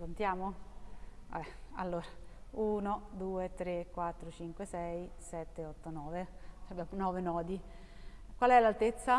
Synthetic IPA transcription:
kont̪jaːmo | ɛa̰lːoːɾauːnod̪uːet̪ɾekːwat̪ːɾot͡ʃiŋkwesɛjsɛt̪ːeɔt̪ːonɔːveabjaːmonɔːvenɔːd̪i | kwalɛlalt̪et̪sːa

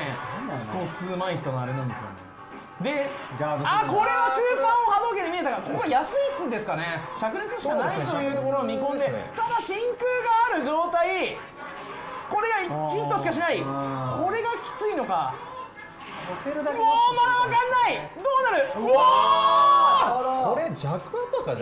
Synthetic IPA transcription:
ḛsɨ̥t̪ot͡sɨmaiçi̥t̪o̞noa̰ɾe̞nãnd̪esɨo̰ne | d̪e̞ | ako̞ɾe̞mot͡ɕɨːpãɰ̃o̞had̪o̞ke̞t̪emʲie̞t̪akako̞koɡajasɨid̪e̞sɨ̥kane̞ɕakɯ̟ɾit͡sɨɕikanesit̪o̞jɯːt̪okoɾoːmʲikõ̞nd̪e̞t̪ad̪aɕĩŋkɯ̟ːɡaːɾɯ̟ʑo̞ːt̪ai | ko̞ɾe̞ɡait͡ɕĩnt̪o̞ɕi̥kaɕinaiko̞ɾe̞ɡakʲi̥t͡sɨino̞ka | moːmad̪aβakãnːaid̪o̞ːnaɾɯ̟ | oɾed͡ʑakɯapaka

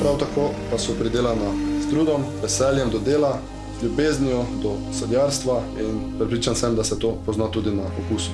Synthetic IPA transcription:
pɾawt̪akopasɔpɾid̪eːlanazt̪ɾuːd̪ɔmʋɛsɛljɛmd̪ɔd̪eːla | zljubeːznijud̪ɔsɔd̪jaːɾst̪ʋainpɾɛpɾiːt͡ʃansɛmd̪asɛt̪opɔznat̪uːd̪inaʔɔkuːsu̥

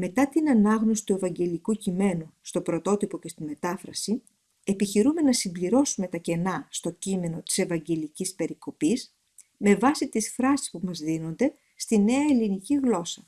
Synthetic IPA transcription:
me̞t̪ɐt̪inɐnɐɣno̞si̥t̪ue̞vɐɲɟe̞likucime̞nust̪o̞pɾo̞t̪o̞t̪ipo̞cest̪ime̞t̪ɐfɾɐsi | epiçiɾume̞nɐsimbliɾo̞sume̞t̪ɐce̞nɐst̪o̞cime̞no̞t̪i̥se̞vɐɲɟe̞licispe̞ɾiko̞pis | me̞vɐsit̪isfɾɐsi̥spumɐzðino̞nd̪e̞ | st̪ine̞ɐeliniciɣlo̞sɐ

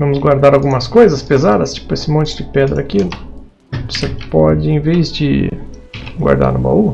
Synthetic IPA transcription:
vɐ̃mʊzɡwaɾd̪aɾawɡũmɐskojzɐspezad̪ɐst͡ʃi̥pʊesɪmõt͡ʃɪd͡ʒɪpɛd̪ɾɐakilʊ | vosepɔd͡ʒɪẽvejzd͡ʒɪ̰ | ɡwa̰ɾd̪a̰ɾnʊba̰u

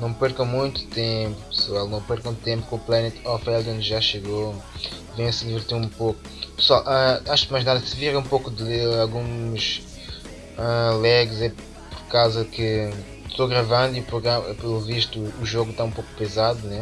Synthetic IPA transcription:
nɐ̃w̃pɛɾkɐ̃w̃mũj̃t̪u̥t̪ẽmpu̥pɨ̥swalˠnɐ̃w̃pɛɾkɐ̃w̃t̪ẽmpu̥kõuplˠɛnɛt̪ɔfɛlˠɐ̃nd̪ʒaʃɨɣo | vẽj̃ɐsɨd̪ivɨɾt̪iɾũpoku | pɨ̥swalˠʔaaʃukmajʒnaðɐsɨviɾɐ̃ũmpokud̪lˠealˠɣũmɐʃ | ɛlˠɛɣzɛ | pɔɾkawzɐkɨ | t̪oɣɾɐvɐ̃nd̪uipuɾɣɐpelˠuviʃt̪uːʒoɣut̪aũmpoku̥pɨzaðunɛ

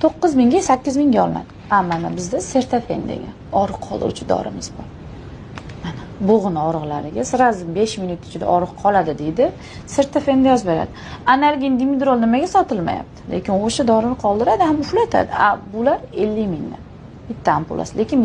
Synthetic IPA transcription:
t̪ʰoqːɨzmɪŋɡʲasakʲːɪzmɪŋɡʲaɒlˠɪna̰d̪ɪamːanabɪzd̪ase̞ɾt̪ʰafe̞̰nd̪ḛɡʲa̰nɒɾɨqqʰɒlˠd̪ɪ̰ṵt͡ʃʰɪd̪ɒ̰ɾɪ̰mɪz̥bɒɾ | manaboʁɨnɒɾɨʁlˠaɾɪɡʲasɪɾazɪmbe̞ʃmɪnʊt̪ɪ̥t͡ʃʰɪd̪a̰ʔɒɾɨqqʰɒlˠad̪ɪd̪e̞jd̪ɪ | se̞ɾt̪ʰafe̞nd̪ajɒzbe̞ɾa̰d̪ɪanalɡʲind̪imɪd̪ɾolnɪmaɡʲasɒt̪ʰɪlma̰ja̰p̚t̪ʰɪ̥lekʲɪnoʃad̪ɒɾɪnɪqʰɒlˠd̪ɪɾad̪ɪhamʊhlat̪ʰa̰d̪ɪʔabʊlaɾe̞lːɪmɪŋd̪a̰n | b̥ɪt̪ʰːahampʰo̰lˠʔa̰sle̞kʲɪn

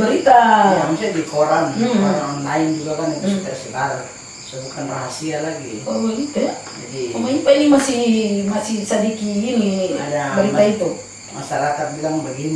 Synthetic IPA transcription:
baɾit̪aamusɛdikʰɔɾaŋ̩aɾalaind͡ʒuɡakanɛt̪t̪ɛsɛbaɾ | sɔbukanra̰ɦasialaɡikɔbaɡit̪uad͡ʒadimaipainimasihmasihsadikiːnidabaɾiait̪u | ma̰saɾakat̪̚bilaŋbaɡini

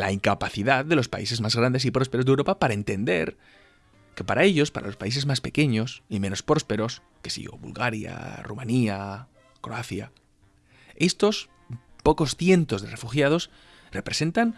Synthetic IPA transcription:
laiŋkapaθiðaððe̞lo̞spa̰ise̞zmazɣɾand̪e̞sipɾo̞s̬pe̞ɾozðewɾo̞papaɾae̞nt̪e̞nd̪e̞̰ɾ | ke̞paɾae̞ʎo̞spaɾa̰lo̞spais̬e̞zmaspe̞ke̞ɲo̞sime̞no̞spɾo̞spe̞ɾo̞s | ke̥sḭɣo̰βṵlɣaɾja̰rumania | kɾo̞aθja | e̞st̪o̞s | po̞ko̞sθje̞nt̪o̞zðe̞re̞fuxjað̞o̞s | re̞pɾese̞nt̪an

